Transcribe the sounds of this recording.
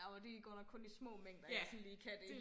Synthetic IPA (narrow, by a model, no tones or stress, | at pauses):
ɒd̥eɡ̥ɒ̰ːɾɑ̈kʰɔ̽nismɔ̰̽ːmeŋ̰d̥ɐjjasɔn̩liːkʰæd̥e